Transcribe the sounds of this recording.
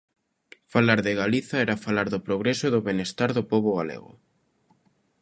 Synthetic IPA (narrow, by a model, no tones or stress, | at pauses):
falaɾðeɣaliθaɛɾafalaɾðʊpɾoɣ̞ɾesoðoβenest̪aɾðopoβoɣalḛɣʊ̰